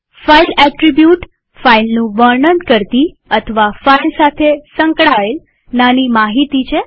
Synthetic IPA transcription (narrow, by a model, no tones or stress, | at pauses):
failɛʈɾibjuʈ | failnũʋəɾɳənd̪kəɾt̪i | ət̪ʰəʋafailsat̪ʰesəŋkɭael | nanimaɦit̪it͡ʃʰe